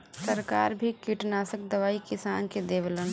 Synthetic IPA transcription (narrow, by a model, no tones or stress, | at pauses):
səɾkaːɾbʱikiʈnaːsək̚d̪əʋaːikɪsaːnked̪eːʋlən